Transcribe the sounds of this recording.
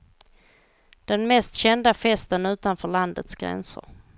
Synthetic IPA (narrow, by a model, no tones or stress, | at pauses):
d̪̥ɛnmɛst̪ɕɛnd̪afɛst̪ənʉ̟ːt̪anfœːɭand̪ə̰t̪sɡ̥ɾɛ̰nsə̰ɾ